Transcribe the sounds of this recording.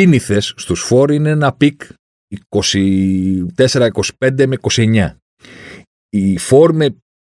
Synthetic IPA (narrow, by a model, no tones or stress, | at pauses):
iniθe̞sːt̪usfo̞ɾineenɐpik | iko̞sit̪e̞se̞ɾɐiko̞si̥pe̞nd̪e̞me̞iko̞sie̞ɲɐ | ifo̞ɾme̞